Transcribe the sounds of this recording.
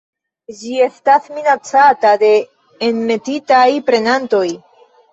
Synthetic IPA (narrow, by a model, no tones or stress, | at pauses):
d͡ʒie̞stasminat͡satade̞ː | nme̞titajpɾe̞nanto̞j